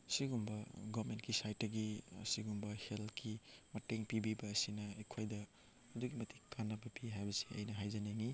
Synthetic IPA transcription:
siɡumbɐɡɔmentkisajtːɐɡḭsiɡumbɐhelkimɐteŋpibibɐːsinɐekʰojdɐː | duɡimɐtʰi̥kanːɐbɐpiɦajbɐsi̥ɐ̰jnɐɦajzaneŋi

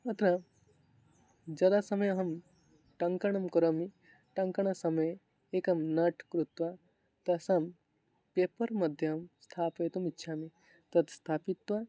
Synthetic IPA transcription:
ɐt̪ɾa | d͡ʒɐd̪asɐmɐjɐɦɐm | ʈɐŋkɐɳ̃ɐmkɐɾoːmi | ʈɐŋkɐɳ̃ɐsɐmɐj | eːkɐmnɐʈʰkɾut̪ʋa | t̪ɐsam | peːpɐɾmɐd̪ʱjɐmst̪ʰaːpɐjt̪umitːʃʰaːme | t̪ɐt̪st̪ʰaːpit̪ːʋa

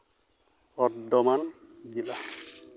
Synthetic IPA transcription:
ɔdɔmand͡ʒila

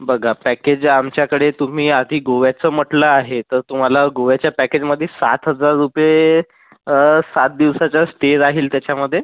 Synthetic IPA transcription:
bəɡʱapæked͡ʑamt͡ɕjakəɽet̪um̤iːad̪ʱiːɡoʋjat͡səːm̤əʈləaɦet̪əɾt̪um̤alaɡoʋjat͡ɕjapæked͡ʑməd̪ʱːjesa̰t̪ɦəd͡zaɾːupje | sat̪̚d̪iʋsat͡ɕasʈeɾaɦiːlt̪jat͡ɕaməd̪ʱːje

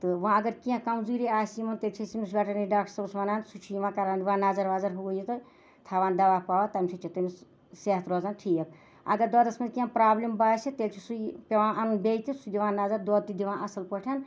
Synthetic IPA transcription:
t̪ɨʋãːɐɡɐɾkiãkɐmzuːɾiaːsimɐnt̪eːlt͡ʃʰisimis̬bʲɐʈɐniɖaːk̚ʈɾsɐɾusʋɐnaːnt̪sut͡ʃʰujiʋãːkɐɾaːnd̪iʋaːnaːzɐɾʋaːzɐɾɦuɡojit̪o | t̪ʰaːʋaːnd̪ɐʋaːpaːʋat̪ɐmisut͡ʃʰit̪umis | seɦɐt̪ɾoːzaːnʈʰiːjɐk | ɐ̰ɡɐɾd̪oːd̪ɐsmɐnkiãpɾaːblimbaːsit̪eːlt͡ʃʰisupʲeʋãːnʔɐnunbʲejt̪isud̪iʋãːnːaːzɐɾd̪oːd̪̚t̪id̪iʋãːʔɐsɐlpɐʈʰɐn

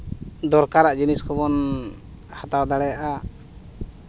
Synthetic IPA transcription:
d̪ɔɾkaɾaʔd͡ʒiniskʰɔbɔn | hat̪awd̪aɽɛjaʔa

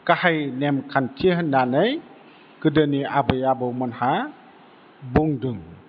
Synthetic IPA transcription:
kahajnɛmkʰantʰiɦənːanəj | kɯdəniʔabəjabəwmɔnha | buŋdɯŋ

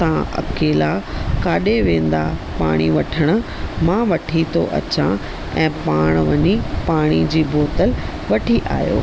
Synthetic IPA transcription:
t̪ɐãʔɐ̰keːlakaːɗeʋẽːn̆d̪apa̰ːɽ̃iʋɐʈʰəɽ̃ʊ̆mãʋɐʈʰit̪ʰo̰ʔɐ̰t͡ɕã̰ | ɛ̃ːpaːɽ̃ʋɐɲipaːɽ̃id͡ʑiːboːt̪əl | ʋɐʈʰiʔa̰ːjo̰ː

